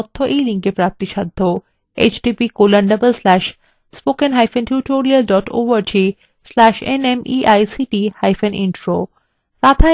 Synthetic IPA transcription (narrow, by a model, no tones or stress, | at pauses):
ɔt̪ʰːoʔejlĩŋkepɾaːp̚t̪iʃad̪ʱːo | ḛt͡ʃɖipikolɐɳɖɐbəlslɛʃ | spoːkenɦajfʰẽnʈuʈoɾiɐlɖɔʈo̰ʋɐɾd͡ʒʰi | slɛʃenemʔiʔajsiʈihajfenʔḭnʈɾo | ɾaːt̪ʰa